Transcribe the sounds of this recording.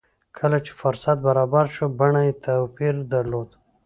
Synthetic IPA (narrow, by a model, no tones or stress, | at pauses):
kʰəlat͡ʃe̥fʊɾsat̪̚baɾɑbaɾʃobaɳajet̪ʰapiɾd̪aɾlod̪